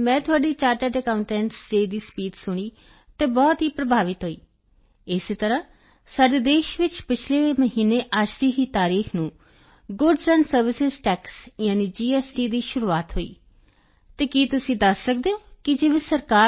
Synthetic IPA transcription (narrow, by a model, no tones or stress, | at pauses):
mɛ̃ːt̪ʰʊaːɖiːt͡ʃaːɾʈəɾɖɛkaːʊɳʈɛ̃ːɳʈsʈeːd̪iːspiːt̪sʊɽ̃iː | t̪eːbɔːt̪ɦiːpɾəbʱaːʋɪt̪ɦoːiː | ɪst̪əɾãː | saːɖeːd̪eːʃʋɪt͡ʃpɪt͡ʃʰleːməɦiːneːʔəd͡ʒd̪iːɦiːt̪aːɾiːxʰnũː | ɡʊɖzəːnsəɾʋɪsɪzʈɛːksjãːniːd͡ʒiːɛːsʈiːd̪iːʃʊɾuːaːt̪ɦoːḭː | t̪eːkiːt̪ʊsĩːd̪əsːək̚d̪eːoːkɪd͡ʒeːʋẽːsəɾkaː